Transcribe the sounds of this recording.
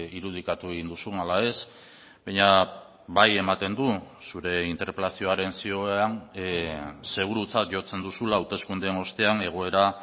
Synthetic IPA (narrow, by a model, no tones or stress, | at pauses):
iɾuð̞ikat̪ue̞ɣind̪usunalae̞s | bajɲa | βaje̞mat̪e̞nd̪u | suɾe̞int̪e̞ɾpe̞lasio̞aɾe̞nsioan | se̞ɣuɾut͡sat̪ʝo̞t͡se̞nd̪usulaːwt̪e̞skund̪eno̞st̪e̞ane̞ɣ̞o̞e̞ɾa